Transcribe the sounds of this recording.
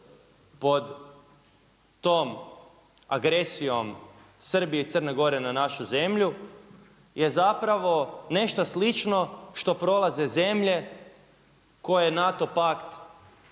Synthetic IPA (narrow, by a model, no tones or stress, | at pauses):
po̞d̪ | oːm | aɡɾesijo̞m | sr̩bieit̪sərne̞ɡo̞ɾe̞nanaʃuze̞mʎu | jʔezapɾaʋo̞ne̞ʃt̪oslit͡ʃno̞ʃt̪o̞pɾo̞laze̞ze̞mʎe̞ | ko̞jenat̪o̞pakt̪